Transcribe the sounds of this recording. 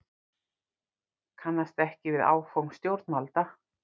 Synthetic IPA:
kʰanːast̪ɛhcɪvɪða̰ːwfowmst̪jowɾt̪nmalt̪a

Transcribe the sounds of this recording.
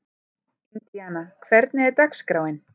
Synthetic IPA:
int̪ianakʰvɛɾt̪nɪɛɾt̪akskɾaːwɪn

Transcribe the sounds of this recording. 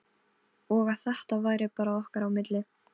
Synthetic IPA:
ɔɣaðθaht̪avaːjɾɪpaːɾaɔhkaɾawmɪt̪lɪ

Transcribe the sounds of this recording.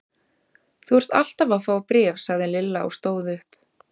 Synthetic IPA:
θuɛɾ̥t̪a̰l̥t̪avafaːwpɾɛːvsaɣðɪlɪlːaɔ̰ɣst̪oːwðʏhp

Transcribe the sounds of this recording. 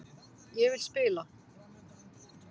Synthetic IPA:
jɛvɪlspɪːla

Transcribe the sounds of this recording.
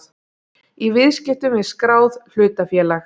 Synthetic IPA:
ivɪðscɪt̪ʏmɪðskɾaːwðl̥ʏːt̪afjɛːlax

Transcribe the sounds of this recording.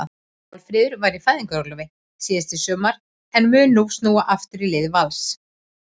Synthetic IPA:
lfɾɪːðʏɾvaːjɾifaːjðiŋkaɾɔlʏvɪ | siːðɪst̪ɪsœːmaɾ | ɛnmʏːnnust̪nuːwaʔaft̪ʏɾilɪðvals

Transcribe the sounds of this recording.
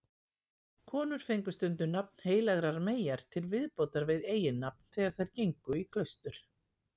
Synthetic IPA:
kʰɔːnʏɾ̥fejŋkʏst̪ʏnt̪ʏnap̚n̥heːjlaɣɾaɾmeːjaɾ̥t̪ʰɪlvɪðpowt̪aɾvɪðeːjɪnːap̚nθɛːɣaɾ̥θajɾ̥cejŋkʏikʰlœɥst̪ʏɾ̥

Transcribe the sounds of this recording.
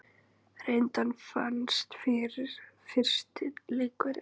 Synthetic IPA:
rejnt̪anfa̰nst̪fɪɾɪɾ̥fɪr̥st̪ɪlɪːkʏɾ

